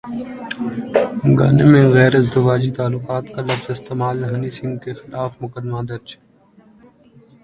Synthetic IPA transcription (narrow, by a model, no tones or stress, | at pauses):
ɡa̰ːnemẽɣɛːɾɪzd̪ʊʋaːd͡ʒit̪aːlːʊkaːt̪kalɐfzɪst̪eːmaːlɦɐnisɪ̃ŋɡ̚kexɪlaːfmʊkəd̪mad̪ɐɾt͡ʃʰː